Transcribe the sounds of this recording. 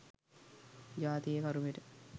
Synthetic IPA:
d͡ʒaːt̪ijekɐɾuʋeʈə

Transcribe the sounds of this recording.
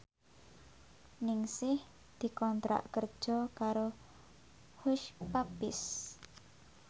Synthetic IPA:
nɪŋsɪh | d̪̥i̤kɔnt̪ɾa̰ʔkərd̥ʒ̥ɔkaɾo | hʊʃpapɪs

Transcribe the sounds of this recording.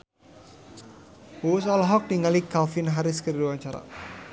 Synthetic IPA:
wuʊsɔlɔɦɔk̚diŋalikalfɪnɦaɾɪskəɾiduwaɲt͡ʃaɾa̰

